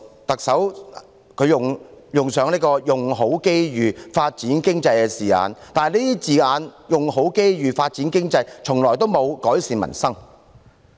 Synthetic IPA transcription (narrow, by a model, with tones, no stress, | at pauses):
t̪ɐ˨k̚sɐ˨˥w | kʰɵ˨˧ɥjʊ˨ŋjʊ˨˩ŋsœː˨˧ŋniː˥kɔː˧jʊ˨ŋɦo˨˥wke˥jjyː˨˩faː˧t̚t͡siː˨˥nkɪ˥ŋt͡sɐ˧jkɛː˧siː˨˩a̰ː˨˧nt̪aː˨n˨˩nliː˥t̪iː˥t͡siː˨˩aː˨˧njʊ˨˩ŋɦo˨˥wke˥jjyː˨faː˧t̚t͡siː˨˥nkɪ˥ŋt͡sɐ˧jt͡sʰʊ˨˩ŋlɔː˨˩jt̪o˥wmo˨˧wkɔː˨˥jsiː˨nmɐ̰˨˩nsɐ˥ŋ